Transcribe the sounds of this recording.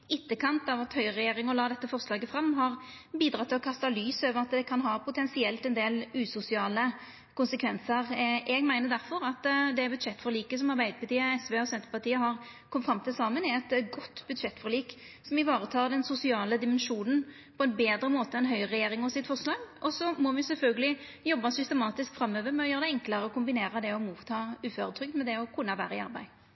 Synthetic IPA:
ɪt̪ːəkʰɑnt̪ɑʋɑt̪hœʏʁɛjeːɾɪŋɔlɑːd̪ɛt̪ːəfɔʁslɑːɡəfɾɑmːɦɑʁ | biːd̪ɾɑt̪ʰːɪlɔkʰɑst̪ɑlyːsøːʋəʁɑt̪d̪ɛkʰɑnɦɑːpʰʊt̪ʰɛnsɪɛlt̪ɛnd̪eːlʉːsʊsɪɑːlə | kʊnsəkʰʋɛnsəʁʔɛɡmæɪnəd̪æɾfɔɾɑt̪d̪ɛæbʉd̪ʂɛt̪ːfɔɾliːkəsɔmɑʁbæɪd̪əpɑt̪iːəɛsʋeːɔsɛnt̪ə̥pɑt̪iːəɦɑʁ | kʰɔməfɾɑmt̪ʰɪlsɑːmənɪɛt̪ɡɔt̪ːbʉd̪ʂɛt̪ːfɔɾliːk | sɔmɪʋɑːɾət̪ʰɑːʁd̪ɛnsʊsɪɑːləd̪ɪmɛnʂuːnən | pʰɔɛnbeːd̪ɾəmoːt̪əɛnɦœʏʁɛjeːɾɪŋɑsɪt̪ːfɔʁslɑːɡʔɔsɔmɔʋɪsɛlfœlɡəlɪ | jɔbːɑsʏst̪əmɑːt̪ɪskfɾɑmːøːʋəɾmɛɔjøːʁəd̪ɛɛŋkləɾəɔkʊmbɪneːɾəd̪ɛɔmuːt̪ʰːɑːʉːføːɾət̪ʰɾʏk̚d̪mɛd̪ɛɔkʰʊnːɑʋæ̰ːɾəɪɑ̰ɾbæ̰ɪ

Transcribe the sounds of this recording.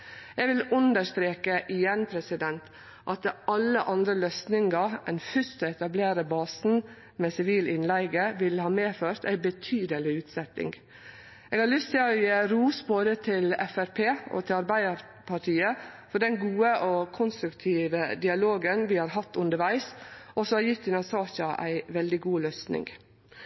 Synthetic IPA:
ɛːɡʋɪlʉnd̪əʂt̪ɾeːkəʔɪjɛnːpʰɾɛsɪd̪ɛnt̪ | ʔɑt̪ɑlːəʔɑnd̪ɾəløːsnɪŋɡɑɛnfʏst̪əɛt̪ɑbleːɾəbɑːsn̩ | mɛːsɪʋiːlɪnlæɪɡəʋɪlhɑːmeːføːɾt̪æ̰ɪbət̪ʰyːd̪əlɪʉːt̪sɛt̪ɪ̰ŋɡ | ʔeːɡhɑɾlʏst̪ʰɪlɔjɾuːsboːd̪ət̪ʰɪlɛfæɾpʰeːɔ̰t̪ʰɪlɑɾbæɪd̪əɾ | pʰɑʈʰiːəfɔɖɛnɡuːəʔɔkʰʊnst̪ɾʉkt̪ʰiːʋəd̪ɪɑloːɡənʋɪhɑːɾɦɑt̪ːʉnd̪əɾʋæɪsʔɔsɔɑjɪt̪ːɪnɑsɑːʃɑʔæ̰ɪʋɛld̪ɪɡuːløːsnɪ̰ŋɡ

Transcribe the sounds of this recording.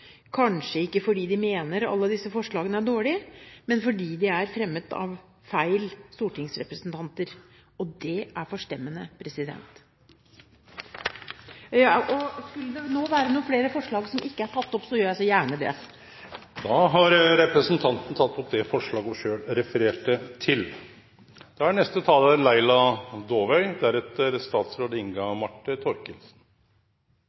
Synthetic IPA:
kʰɑnʂəɪkːəfɔɖiːd̪ɪmeːnəɾɑ̰lːəd̪ɪsːəfɔʂɭɑːɡənəæɖoːɭɪmɛnfɔɖiːd̪ɛæɾfɾɛmːət̪ʰɑ̰ʋ | fæɪlst̪uːʈɪŋsɾɛ̰pɾəsnt̪ʰɑnt̪əɾ | ɔd̪ɛæɾfɔʂʈɛmːənəpʰɾɛsɪd̪ɛ̰nt̪ | ʔɔskʉlːəd̪ɛnoːʋæːɾənuːfleːɾəfɔʂɭɑːɡsɔmʔɪkːəæʈʰɑt̪ːɔpsɔjøːɾjæɪsɔjæːɳəd̪ɛ̰ | d̪ɑːɦɑɾɾɛpɾəsənt̪ʰɑnt̪n̩t̪ʰɑt̪ːɔpd̪ɛfɔʂɭɑːɡɔʂøːɽɾɛfəɾeːʈət̪ʰɪl | d̪̥ɛæɳɛst̪ət̪ʰɑːlənlæɪlɑd̪oːʋœʏd̪ææɾɛt̪əɾst̪ɑːt̪sɾoːd̪əɪŋɡɑmɑʈːət̪ʰɔɾkənsn

